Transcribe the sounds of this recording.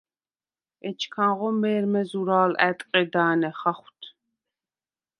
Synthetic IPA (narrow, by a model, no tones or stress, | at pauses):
ɛt͡ʃʰkʰãnʁɔmɛːɾmɛzuɾaːlɛ̰t̪ʼqʼɛd̪aːnɛχaχʷwt̪ʰ